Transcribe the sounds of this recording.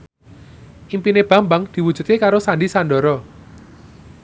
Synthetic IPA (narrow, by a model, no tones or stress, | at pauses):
ʔimpineb̥a̤mbaŋd̪̥i̤wud̥d͡ʒ̥ʒ̥ṳt̪̚kekaɾosanɖisandɔ̤ɾɔ